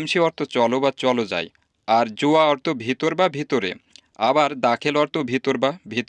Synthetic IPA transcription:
mʃiɔɾt̪ot͡ɕɔlobat͡ɕɔlod͡ʑa̰j | aɾd͡ʑoaɔɾt̪obʱit̪oɾbabʱit̪oɾḛ | abaɾd̪akʰelɔɾt̪obʱit̪oɾbabʱit̪

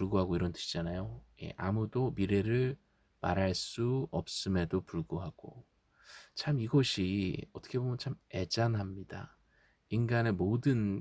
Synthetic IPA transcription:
puɭɡoɦaɡoiɾʌntʰɯ̥ɕʰid͡ʑanajoje̞̰ʔamudomiɾe̞ɾɯɭ | ma̰ɾɦaɭs͈uʌp̚s͈ɯme̞dopuɭɡoɦaɡ̥o̰ | t͡ɕʰamiɡʌɕʰiʌt͈ʰʌ̥kʰe̞bomjʌnt͡ɕʰame̞d͡ʑanɦamɲida̰ | inɡanemodɯn

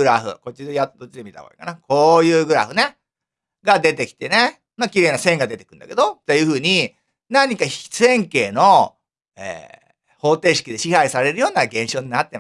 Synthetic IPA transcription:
ɯɾaɸɯ̟̰ko̞t͡ɕid̪ejat̪d̪o̞t͡ɕːid̪emit̪a̰ko̰ḭka̰nakʰo̞ːjɯːɡɯ̟ɾa̰ɸɯ̟ne | ɡad̪e̞t̪e̞kʲi̥t̪e̞ne | makʲiɾe̞ːnasẽ̞ŋɡad̪e̞t̪e̞kɯ̟̃nd̪a̰ke̞d̪o̞t̪ajɯ̟ːɸɯ̟ːɲ̟i | naɲ̟ikaçi̥sɨẽ̞ŋke̞ːno̞ | ḛː | ho̞ːt̪e̞ːɕi̥kʲid̪e̞ɕihaisaɾe̞ɾɯ̟jo̞ːnaɡẽ̞ɰ̃ɕo̞ːɲ̟inat̪ːe̞ma

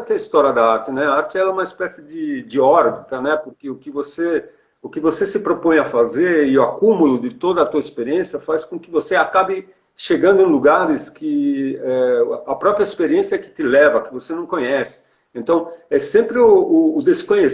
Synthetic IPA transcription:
ɐt̪eɐist̪ɔɾiɐd̪ɐaɾt͡ʃɪnɛaaɾt͡ʃɪɛlɛũmɐispɛsɪd͡ʒɪd͡ʒɪɔɾbit̪ɐnɛpoɾkɪʊkɪvose | ʊkɪvosesɪpɾopõj̃ɐfazeɾɪʊakumulʊd̪ɪt̪od̪ɐːt̪uɐispeɾiẽsjɐfaskõkɪvoseakabɪ | ʃeɡɐ̃nd̪ʊẽluɡaɾɪskʰɪɛɐpɾɔpɾiɐispeɾiẽsiɐɛkɪ̥t̪ɪlɛvɐkɪvosenɐ̃w̃kõɲɛsɪ̥ | ẽnt̪ɐ̃w̃ɛsẽmpɾɪʊʊːd̪eskõɲe

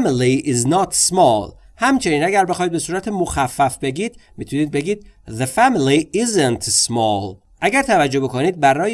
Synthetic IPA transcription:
miliiznɒt̪smɒlhæmt͡ʃʰe̞niːnæɡæɾbe̞xɒːid̪be̞suːɾæt̪ʰemoxæfːæfbe̞ɡiːd̪̥mit̪ʰuniːd̪̚be̞ɡiːd̪̥̚ðefæmiliizent̪smɒːl | ʔæɡæɾt̪ʰævæd͡ʒːo̞be̞koniːd̪̚bæɾɒːj

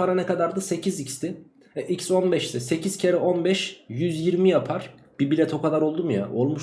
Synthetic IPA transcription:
aɾanɛkad̪aɾd̪ɯse̞cʰizicst̪ɪ | ɛʔicso̞nbɛʃt̪ɛse̞cʰiz̥cʰeɾɛʔo̞nbɛʃjyzjiɾmijapʰaɾ̥ | b̥ibilʲɛt̪ʰo̞kʰad̪aɾo̞lˠd̪umja̰ʔo̞lˠmuʃ

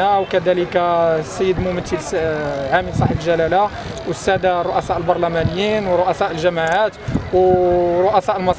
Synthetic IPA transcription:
awkæd̪æləkasːəjːəd̪mʊmət̪ːəlʕaməlsˤɑħəblʒælæla | wəsːæd̪arˤːoʔæsɑʔəlbɑɾˤlæmænəjːinwrˤːoʔæsæʔəlʒæmaʕat̪wɾˤoʔæsɑʔəlmɑsˤ

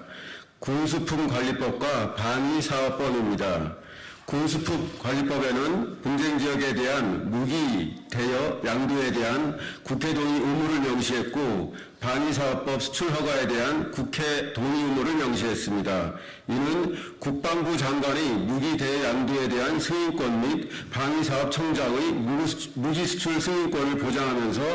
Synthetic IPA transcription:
kuŋs̬ʰupʰumkwaʎːip͈ʌp̚k͈wapaŋisʰaʌp̚p͈ʌmimɲida | kuŋsʰupʰumkwaʎːip͈ʌbe̞nɯnpund͡ʑʰe̞ŋd͡ʑiʌɡe̞de̞ɦanmuɡitejʌjaŋdue̞de̞ɦankukʰe̞doɲiumuɾɯɭmjʌŋɕʰiɦe̞t̚k͈o | paŋisʰaʌp̚p͈ʌp̚sʰɯ̥t͡ɕʰuɭɦʌɡwae̞de̞ɦankukʰe̞toɲiɯmuɾɯɭmjʌŋɕʰiɦe̞s͈ɯmɲida | inɯnkuk̚p͈aŋbud͡ʑaŋɡwaɲimuɡide̞jaŋdue̞de̞ɦansʰɯŋink͈wʌnmit̚paŋisʰaʌp̚t͡ɕʰʌŋd͡ʑaŋɯ | muɡisʰu̥t͡ɕʰuɭsʰɯŋink͈wʌnɯɭpod͡ʑaŋɦamjʌns̬ʰʌ

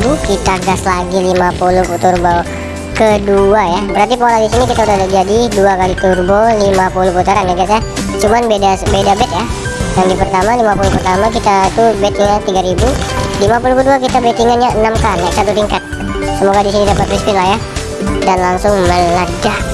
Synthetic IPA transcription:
dukit̪aɡaslaɡilimapulʊht̪urbɔ | kəduajabəɾart̪ipoladisinikit̪audaudahd͡ʒadiduakalit̪urbolimapuluput̪aɾanjaɡiasat͡ʃumanbedabedabɛt̪̚ja | jaŋdipərt̪amalimapulupərt̪amakit̪at̪ubet̪iŋɲat̪iɡaɾibulimapulukəduakit̪abet̪iŋanɲaənamkanasat̪ut̪iŋkat̪̚ | səmuakalidisinidapat̪̚pɾispɪnlahja | danlaŋsʊŋmələda

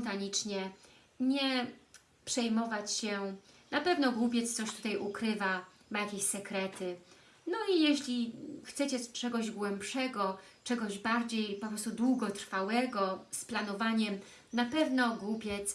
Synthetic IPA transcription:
nt̪aɲit͡ʂɲɛ | ɲɛ | pʂɛjmɔvat͡ɕɕɛnapɛvnɔɡwupʲjɛt̪st̪sɔɕt̪u̥t̪ajʔukɾɘva | majakʲeɕsɛkɾɛt̪ɘ | nɔijɛɕlʲixt̪sɛt͡ɕɛt͡ʂɛɡɔʑɡwɛmpʂɛɡɔt͡ʂɛɡɔʑbaɾd͡ʑejpɔpɾɔst̪ud̪wuɡɔt̪ɾfawɛɡɔsplanɔvaɲɛm | napɛvnɔɡwupʲjɛt̪s

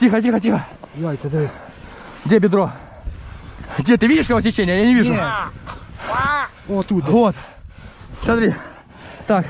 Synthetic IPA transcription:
tʲixət̬ʲixət̬ʲixə | jasʲɐd̪ɾʲi | ɡdʲebʲɪd̪ɾo | ɡdʲet̪ɨvʲidʲɪʂkɐkostʲɪt͡ɕenʲɪjəjanʲɪvʲiʐʊ | ot̪uvot̪ | sʲad̪ɾʲi | t̪ak

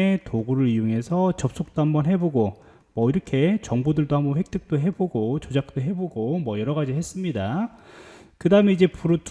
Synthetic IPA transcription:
etoɡuɾɯɾijuŋe̞sʰʌt͡ɕʌp̚s͈ok̚t͈oɦambʌnɦe̞boɡo | mwʌiɾʌkʰe̞t͡ɕʌŋbodɯɭdohambʌnɸwe̞k̚t͈ʰɯk̚t͈oɦe̞boɡot͡ɕod͡ʑak̚t͈oɦe̞boɡomwʌjʌɾʌɣad͡ʑihe̞s͈ɯmɲida | kɯdaɯme̞id͡ʑe̞puɾot

